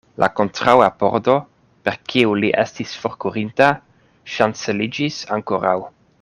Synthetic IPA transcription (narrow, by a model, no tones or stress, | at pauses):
lʔa̰kontɾawapo̰ɾdo̞ | peɾkʰiuliʔestisfoɾkuɾinta | ʃant͡selid͡ʒisaŋkoɾaw